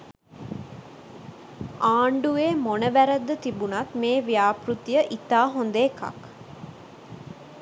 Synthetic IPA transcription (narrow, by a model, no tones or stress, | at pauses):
aːɳɖueːmonəʋæɾəd̪ːət̪ibunat̪meːʋijaːprut̪ijəʔit̪aːɦond̪eːka̰k